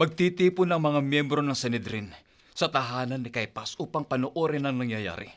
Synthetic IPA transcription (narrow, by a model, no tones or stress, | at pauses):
mɐɡ̚t̪it̪iːpʊnɐŋmɐŋamjɛmbɾo̞nɐŋsɛnɪd̪ɾin | sɐt̪ɐɦaːnɐnːɪkajpɐsʔuːpɐŋpɐnoʔoɾɪnɐŋnɐŋjɐja̰ːɾɪ̰